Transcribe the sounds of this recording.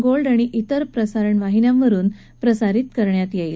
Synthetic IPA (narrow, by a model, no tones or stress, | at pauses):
ɡolɖaɽ̃iʔit̪əɾpɾəsaɾəɳʋaɦinjãmʋəɾuːn | pɾəsaɾit̪kəɾɳjat̪jejl